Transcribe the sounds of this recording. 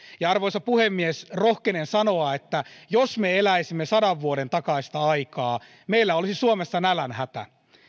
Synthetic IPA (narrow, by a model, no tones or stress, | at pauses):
jɑɑrʋoisɑpuhemːiesrohkenensɑnoɑet̪ːæjosmeelæisimːesɑdɑʋːuodent̪ɑkɑist̪ɑɑikɑː | meilːæolisisuomesːɑnælænhæt̪æ̰